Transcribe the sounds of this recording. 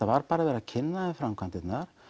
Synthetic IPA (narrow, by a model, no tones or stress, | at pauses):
avaɾpaːɾavɛɾacʰɪnːaɛfɾamkʰvant̪ɪt̪naɾ̥